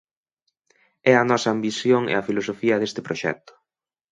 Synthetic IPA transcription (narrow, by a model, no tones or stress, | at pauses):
ɛɐnɔsɐambisjoŋḛɐfilosofiɐðest̪ɪpɾoʃɛ̰k̚t̪ʊ̥